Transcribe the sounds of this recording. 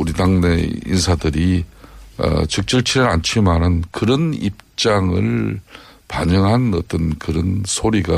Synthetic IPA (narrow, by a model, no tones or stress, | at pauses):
uɾidaŋnḛḭnsʰadɯɾi | ʌ̰t͡ɕɯk̚t͡ɕ͈ɯɭt͡ɕʰiɾɯɾant͡ɕʰimanɯnkɯɾʌnip̚t͡ɕ͈aŋɯɭ | paɲɯŋɦanʌt͈ʌnkɯɾʌnsʰoɾiɡa